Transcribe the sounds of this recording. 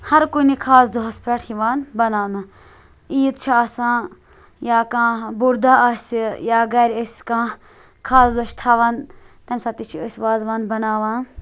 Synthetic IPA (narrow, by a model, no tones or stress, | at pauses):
hɐɾkunikʰaːzd̪oɦɐspɾɐʈʰiʋaːnbɐnaːna | iːt̪t͡ʃʰiasãː | jaːkãːbuɾd̪aʔɐsʲijaːɡɐɾʲəsʲkãː | kʰaːzd̪oʃt̪ʰaːʋaːn | t̪ɐmʲsaːt̪it͡ʃʰiəsʲʋaːzʋaːnbɐnaːʋãː